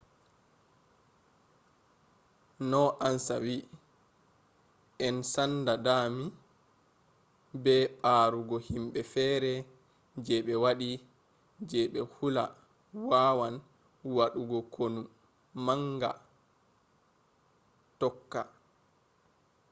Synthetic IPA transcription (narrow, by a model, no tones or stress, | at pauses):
nɔʔansawi | ʔɛnsandadaːmi | bɛɓaːɾuɡɔhimɓɛfɛːɾɛ | d͡ʒɛɓɛwaɗi | d͡ʒɛɓɛhula̰ | waːwan | waɗuɡɔkʰonu | maŋɡa̰ | tɔkːa